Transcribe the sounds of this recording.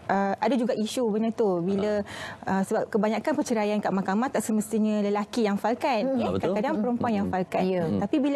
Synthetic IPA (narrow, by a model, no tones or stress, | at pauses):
ʔəadad͡ʒuɡaʔiʃubənat̪ubiləəsəbap̚kəbaɲãkanpərt͡ʃəɾajankaʔmakamaht̪aʔsəməst̪iɲə̃ləlakijaŋfalkat̪̚ɛkakadaŋpəɾəmpuanjaŋfalkat̪apibil